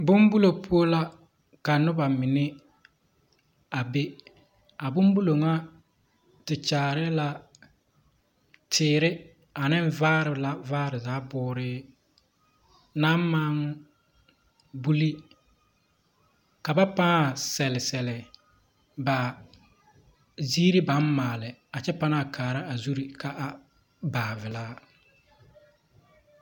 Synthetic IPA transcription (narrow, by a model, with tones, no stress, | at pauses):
bʊ˦mbu˦lo˨pʰu˦o˦la˦ | ka˨nʊ˦ba˨mɪ˨nɪ˦ | a˨be˦ | a˨bʊ˦mbu˦lo˨ŋa˦ | tɪ˨t͡ʃaː˨ɾɪ˦la˦ | tʰɪː˨ɾɪ˦ | a˨nɪ˦ɱ˦vaː˦ɾɪ˨˦la˦vaː˦ɾɪ˨zaː˨˦bʊː˦ɾɪː˦ | naː˦m˦maː˦ŋ˦ | bu˦li˦ | ka˨ba˦pa˦˨sɛ˨lɪ˨sɛ˨lɪ˨ | ba˨ | ziː˦ɾi˦ba˨˦nmaː˨lɪ˨a˨t͡ʃɛ˦pa˦na˦˨kʰaː˨ɾa˦a˨zu˦ɾi˨ka˨ʔa˦ | baː˨vɪ˨laː˦